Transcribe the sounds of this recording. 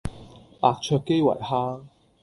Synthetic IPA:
ʔaː˧k̚t͡ʃʰœː˧kːe˥jwɐ̰˨˩jhaː˥

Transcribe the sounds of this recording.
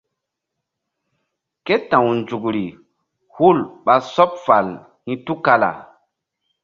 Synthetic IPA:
ke˦tã˨wnd͡ʒu˨kɾi˨ | hu˦˨lɓa˦sɔ˦p̚fa˨l | hĩ˦tu˦ka˦la̰˨

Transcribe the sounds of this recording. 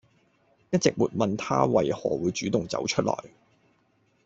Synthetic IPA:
jɐ˥t̚t͡sɪ˨k̚muː˨t̚mɐ˨nt̪ʰa̰ː˥wɐ˨jhɔː˨˩wuː˨˧jt͡ʃyː˨˥t̪ʊ˨˩ŋt͡sɐ̰˨˥wt͡ʃʰɵ˥t̚lɔ̰ː˨˩j

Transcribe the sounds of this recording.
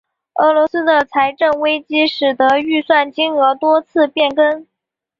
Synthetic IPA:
ɤ˧˥lwɔ˧˥sɹ̩˥d̪ə˨t͡sʰa˧˥ɪʈ͡ʂə˥˩ŋwe˥ɪt͡ɕi˥ʂɻ̩˨˩t̪ɤ˧˥y˥˧swa˥˩nt͡ɕi˥ŋɤ˧˥t̪wɔ˥t͡sʰɹ̩˥˧pjɛ˥˩nkə˥n

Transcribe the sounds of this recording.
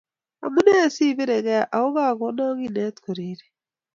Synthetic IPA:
a̰˨mu˦ne˦a˦˨si˦˨βe˦ɾe˨ɣɛ˦˨ʔa˨o˦ɣa˦˨ɣɔ˨˦na˦ɣi˦nɛ˦tko˨ɾeː˦ɾe

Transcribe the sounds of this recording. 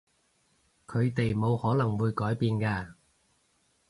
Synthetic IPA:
kʰɵ˨˧ɥt̪e˨jmo˨˧whɔː˨˥lɐ˨˩ŋwuː˨˧jkɔː˨˥jpiː˨˧nkaː˧

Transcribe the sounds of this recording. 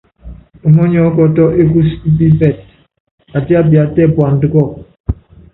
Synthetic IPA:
ɔ˨mɔ˦ɲɔ˨˦kɔ˦tɔ˦ʔe˦ku˦ski˦p̬i˦bɛ˦˨t̚ | a˨ti˦a˦bja˨tɛ˦˨pwa˨n̩˨dɨ˦kɔ˦˨k̚

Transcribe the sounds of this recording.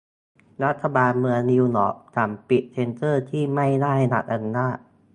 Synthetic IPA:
ɾa˦˥t̪ʰːa˧baː˧nmɯ˧əŋni˧wnɔ̰ː˩˦˥k̚t̪ʰaː˩˦mpi˨˩t̪̚t͡ɕ̪ʰe˧nt̪ɤː˥˩t̪ʰiː˥˩ma˥˩jnaː˥˩ha˥˩jna̰˨˩k̚ʔa˧u˧naː˥˩t̪̚

